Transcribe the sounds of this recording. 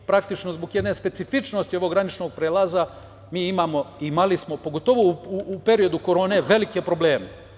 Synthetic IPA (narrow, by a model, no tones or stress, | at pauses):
pɾakt̪it͡ʃno̞zbo̞ɡje̞d̪ne̞spe̞t̪sifit͡ʃno̞st̪io̞ʋo̞ɡɾanit͡ʃno̞ːɡ̚pɾeːlaza | miːimaːmo̞imalismo̞po̞ɡo̞t̪o̞ʋouːpe̞ɾio̞d̪uko̞ɾo̞ːne̞ʋe̞like̞pɾo̞ble̞ːme